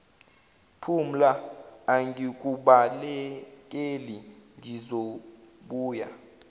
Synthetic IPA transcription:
pʰum̩laːŋɡik̬ʼuɓalɛk̬ʼeliŋʱizoɓuːja̰

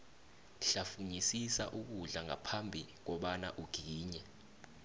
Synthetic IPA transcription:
ɬafuɲisisaʔuk̬uɮaŋapʰambʱik̬ɔɓana̰ʔuɡ̥ʱiiːɲɛ

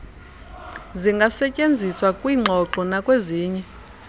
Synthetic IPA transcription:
ziŋɡʱasɛcʼend͡zʱiswakʼwiŋ͡ǃʱɔǁɔnakʼweziːɲɛ

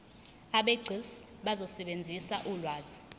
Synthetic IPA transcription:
aɓeɡ͡ǀʱis | ɓazɔsɛɓend͡zʱisaʔulwaːzi

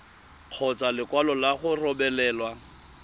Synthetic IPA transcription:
q͡χʰɔt͡sʼalɪkʼwalɔlaχʊrɔbɛlɛːlwa

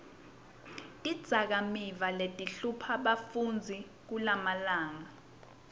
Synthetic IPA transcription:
id̥z̥ʱak̬amivaletʼiɬupʰaɓafund͡zʱi | k̬ulamalaːŋa

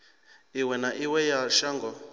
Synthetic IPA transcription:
iwɛnaʔiwɛjaʃaŋɡɔ

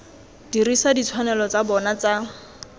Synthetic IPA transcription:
dirisadit͡sʰwanɛlɔt͡sabɔnat͡sa

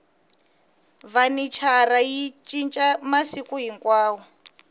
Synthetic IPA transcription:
vanit͡ʃʰarajit͡ʃʼint͡ʃʼamasikuɦiŋkwaːwɔ

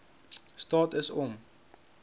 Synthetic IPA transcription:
stɑːtəsɔm

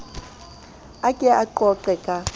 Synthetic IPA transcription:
akʼɛʔaǃɔǃɛkʼa

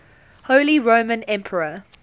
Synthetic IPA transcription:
hoʊliɹõʊmə̃nɛ̃mpʰəɹə

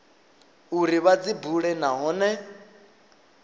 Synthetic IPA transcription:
uɾiβad͡zibuɺɛnaɦɔːnɛ

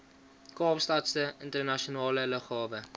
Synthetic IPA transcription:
kɑːpstɐtstəəntərnɐʃionɑːlələχhɑːvə

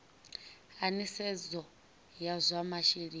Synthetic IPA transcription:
anisɛd͡zɔ | jazʷamaʃiɾiː

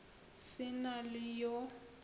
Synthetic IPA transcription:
sɪnalɪjɔ

